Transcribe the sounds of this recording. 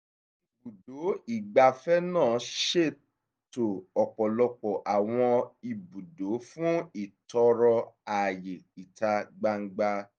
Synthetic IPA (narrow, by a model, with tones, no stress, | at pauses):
i˨bu˨do˨˦i˦˨ɡ͡ba˧fɛ˦nãː˦˨ʃe˦˨ | to˨ɔ˨k͡pɔ˨lɔ˧k͡pɔ˨ʔa˨w̃ɔ̃˧i˨bu˨do˨˦fũ˦i˦˨tɔ˧ɾɔ˧a˨je˨i˨ta˧ɡ͡ba˧ŋ̩˦ɡ͡ba˧